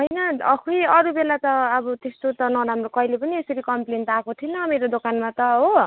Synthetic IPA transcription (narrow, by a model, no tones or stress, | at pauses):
ɦʌjnʌʌkʰujʌɾubelat̪ʌːbʌt̪est̪ot̪ʌnʌɾamrokʌilepʌniesʌɾikʌmplenʈ̪akʰot̪ʰinʌmeɾod̪okanmat̪ʌɦo